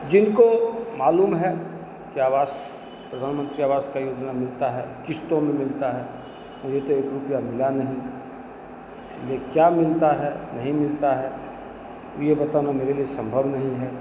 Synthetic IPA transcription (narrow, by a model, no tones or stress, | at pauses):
d͡ʒɪnkomaːluːmɦɛ | kiaːʋaːs | pɾəd̪ʱaːnmə̃nt̪ɾiaːʋaːskajoːd͡ʒnamɪlt̪aɦɛ̰ːkɪst̪õmẽmɪlt̪aɦɛː | mʊd͡ʒʱet̪oeːkɾʊpjamɪlanɐɦĩ | liekjaːmɪlt̪aɦɛnɐɦĩmɪlt̪aɦɛː | jebɐt̪anameːɾeliesə̃mbʱəʋnɐɦĩɦɛː